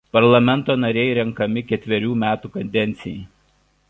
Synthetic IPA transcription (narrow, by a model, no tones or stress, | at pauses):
pɐɾlˠɐmʲɛnˑt̪oːnɐɾʲɛɪɾʲɛŋkɐmʲɪkʲɛt̪ʲʋʲɛɾʲuːmʲæːt̪uːkɐnʲd̪ʲɛnʲt̪sʲɪjɛɪ